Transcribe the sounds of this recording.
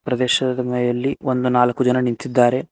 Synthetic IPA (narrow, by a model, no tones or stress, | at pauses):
pɾɐd̪ɛːʃɐd̪ɐmeːjɐlːiond̪unaːlɐkːud͡ʒɐnɐnint̪id̪ːaːɾe̞